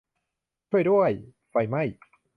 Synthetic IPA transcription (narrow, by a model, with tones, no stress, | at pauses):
t͡ɕʰu˥˩əjdu˥˩əj | pa˧jma˥˩j